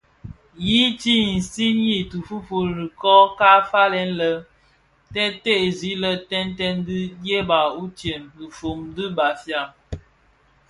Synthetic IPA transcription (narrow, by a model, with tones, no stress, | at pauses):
ji˦t͡ʃi˦n̩˨si˦ɲi˦tu˨fu˦fo˨ɾi˨kɔ˦ka˦fa˦lɛ˦nlə˦ | tɛ˦te˦˨zi˨˦lə˦tɛ˦ntɛ˦ndɨ˦dje˦ba˨u˦t͡ʃje˨mɨ˨fo˨mdɨ˦ba˨fja˦˨